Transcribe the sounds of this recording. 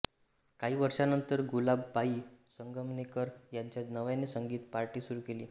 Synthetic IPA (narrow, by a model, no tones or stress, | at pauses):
kaɦiːʋəɾʂanənt̪əɾɡulabpaɦiːsəŋɡəmnekəɾjaɲt͡ɕjanəʋjãnisəŋɡiːt̪paɾʈiːsuɾuːkeliː